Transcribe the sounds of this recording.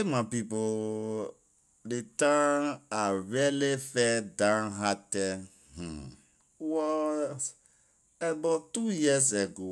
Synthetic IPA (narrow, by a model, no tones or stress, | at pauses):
emapipo | detãaɹɛlefɛdãnɦatɛ | h̩ | wɔ | ɛbatujizeɡo